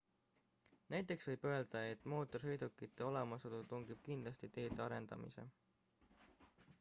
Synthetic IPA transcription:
næjt̪ˑːe̞ksvɤjb̥ø̞e̞ld̪̥ɑe̞t̪ːˑmo̞ːt̪ːˑorsɤjd̪ukːˑit̪ːe̞o̞lemɑsod̪̥ut̪uŋɡib̥̚kind̪lɑst̪it̪e̞ːd̪eɑɾe̞nd̪̥ɑ̰mḭse̞̰

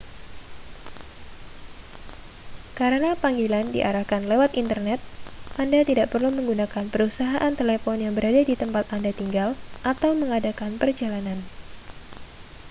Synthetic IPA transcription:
kaɾənapaŋɡilandḭʔaɾahkanlewat̪int̪ərnɛt̪̚ʔandat̪idaʔpərluməŋɡunakanpəɾusaɦaʔant̪elefɔnjaŋbəɾadadit̪əmpat̪andat̪iŋɡalʔat̪awməŋadakanpərd͡ʒalanan

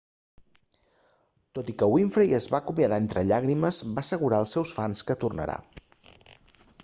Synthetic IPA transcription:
t̪ot̪ikəwiɱfɾəjəzβakumjəðaent̪ɾəʎaɣɾiməzβasəɣ̞uɾaəlˠsːɛwsfanskət̪urnə̰ɾa̰

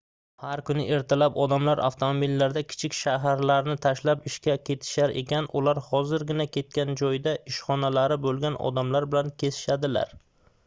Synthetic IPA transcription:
haɾkʊnɪ̰ʔe̞ɾt̪ʰalapɒd̪amlaɾʔa̰ft̪ʰomobilːaɾd̪akʲʰɪ̥t͡ʃʰɪkʲʃaɦaɾlaɾnɪt̪ʰaʃlapɪʃkʲakʲʰe̞t̪ʰɪ̥ʃaɾe̞̰kʲʰanʊlaɾhɒzɪɾɡʲɪnakʲʰe̞t̪̚kʲand͡ʒɒjd̪aʔɪʃχɒnalaɾɪbolˠɡʲanɒ̰d̪amlaɾbɪlankʲʰe̞sɪ̥ʃad̪ɪla̰ɾ

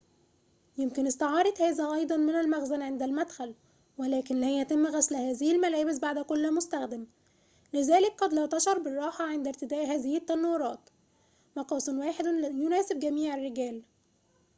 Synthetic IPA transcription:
jɪmkɪnɪst̪ɑʕɑːɾˤɑd̪hæːzæʔɑjd̪ˤɑnmɪnælmæɣzænʕend̪ælmæd̪xæl | wælæːkɪnlæjæt̪ɪmːɣæslhæːzɪhɪlmælæːbɪs̬baʕd̪kolːmʊst̪æxd̪æm | lɪzæːlɪk̚qɑd̪læːt̪ɑʃɑɾˤbɪrˤːɑːħɑʕend̪æɾt̪ɪd̪æːʔhæːzɪhɪt̪ːænɑwːɾˤɑːt̪ | mɑqɑːsˤɨnwæːħed̪jʊnæːsɪb̚ɡæmiːʕɪrːɪɡæːl

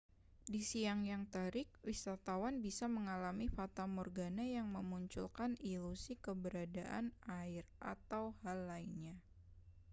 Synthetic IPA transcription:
disiaŋjaŋt̪aɾɪk̚wisat̪awanbisaməŋalamifat̪amɔrɡanajaŋməmuɲt͡ʃṵlkanilusikəbəɾadaʔa̰naɪrʔa̰t̪awhalːainɲa

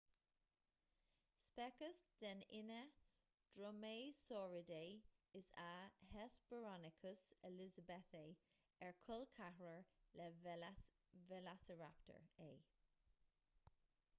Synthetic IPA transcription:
spɛkəsd̥ɛnɪnə | d̥ɹɔmeːsɔːɹədeɪsahɛsb̥əɹɔnɪkʰəsɛlɪzəbɛθeː | ɛɹkʰʊlkʰahɹəɹlɛ | vɛlasəɹaptʰə̰ɹeː

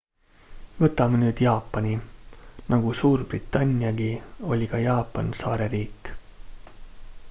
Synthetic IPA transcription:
vɤt̪ːˑɑmenyːd̪̥jɑːpːˑɑnʲi | nʔɑɡ̥usuːrb̥rit̪ːˑɑnʲːijɑɡio̞lʲikɑjɑːpːˑɑnsɑːɾe̞ɾiːkːˑ

